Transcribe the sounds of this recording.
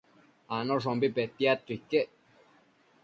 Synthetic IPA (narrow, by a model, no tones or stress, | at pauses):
anɔʂ̬ɔmbipɛt̪ːiat̪ːikːe